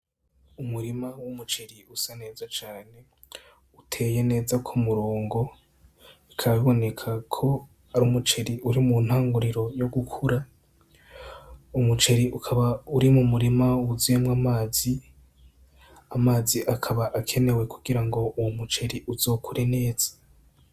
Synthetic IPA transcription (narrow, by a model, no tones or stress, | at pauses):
umuɾimawumut͡ʃe̞ɾiusane̞ːzat͡ʃaːne̞ | utʰe̞ːje̞ne̞ːzakʰomuɾoːŋɡo̞ | ikʰaβaβiβo̞ne̞kʰakʰo̞ | aɾumut͡ʃe̞ɾiuɾimun̥haːŋɡuɾiɾo̞joɡukʰuɾa | umut͡ʃe̞ɾiʔukʰaβauɾimumuɾimawuziemwamaːzi | amaːziʔakʰaβaʔakʰe̞ne̞we̞kʰuɡiɾaŋɡo̞ʔuwomut͡ʃe̞ɾiʔuzo̞ːkʰuɾe̞ne̞ːz̥ḁ